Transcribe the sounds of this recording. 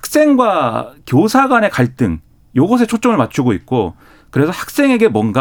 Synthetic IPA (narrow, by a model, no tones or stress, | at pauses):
hḁk̚s͈e̞ŋɡwakjosʰaɡwane̞kaɭt͈ɯŋ | joɡʌs̬ʰe̞t͡ɕʰot͡ɕ͈ʌŋɯɭmat͡ɕʰuɡoik̚k͈o | kɯɾe̞sʰʌhḁk̚s͈e̞ŋe̞ɡe̞mwʌnɡa